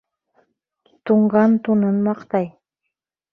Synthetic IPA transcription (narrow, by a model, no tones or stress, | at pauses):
t̪uɴɢɑnt̪unɤnmɑqt̪ɑj